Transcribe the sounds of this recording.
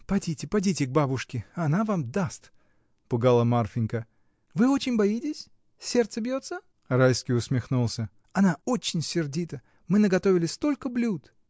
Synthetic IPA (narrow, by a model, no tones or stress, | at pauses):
pɐdʲitʲɪpɐdʲitʲɪɡ̚babʊʂkʲɪɐnavamd̪ast̪ | pʊɡalˠəmarfʲɪnʲkə | vɨo̞t͡ɕɪnʲbɐitʲɪsʲ | sʲe̞rt̪səbʲjo̞t̪sə | rajskʲijʊsmʲɪxnulˠsʲə | ɐnaot͡ɕːɪnʲsʲɪrdʲit̪ə | mɨnəɡɐt̪o̞vʲɪlʲɪst̪o̞lʲkəblʲut̪